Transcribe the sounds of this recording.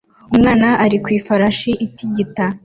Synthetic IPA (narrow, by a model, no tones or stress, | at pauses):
umŋaːnaʔaɾikwiːfaɾaʃiʔitiɟita